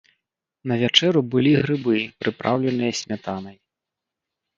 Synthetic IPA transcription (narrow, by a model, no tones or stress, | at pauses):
nɐvʲat͡ʂɛɾubɨlʲiɣɾɨbɨpɾɨpɾʔawlʲɛnɨjɐsʲmʲat̪anɐj